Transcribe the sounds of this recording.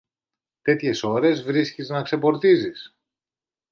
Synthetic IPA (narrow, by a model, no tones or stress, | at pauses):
t̪e̞t̪çe̞so̞ɾe̞zvɾisciznɐkse̞po̞ɾt̪izis